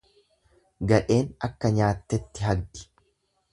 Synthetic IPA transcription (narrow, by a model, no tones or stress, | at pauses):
ɡɐᶑe̞ːnɐkːɐɲaːt̪ːɛt̪ːɪɦɐɡʔɪ̥